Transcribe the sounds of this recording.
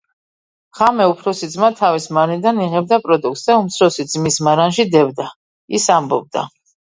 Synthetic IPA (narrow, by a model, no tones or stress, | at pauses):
ʁ̥amɛupʰɾɔsid̪zmat̪ʰavismaɾnid̪aniʁɛb̚d̪apʼɾɔd̪uk̚t̪sd̪aumt̪sʰɾɔsid̪zmismaɾanʃid̪ɛvd̪a | isambɔ̰b̚d̪a̰